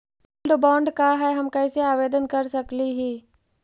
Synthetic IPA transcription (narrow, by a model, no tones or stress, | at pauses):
lɖbɔ̃ːɳɖkaɦɛɦɐmkɐ̃ːseaːʋeːd̪ənkɐɾsɐkliɦiː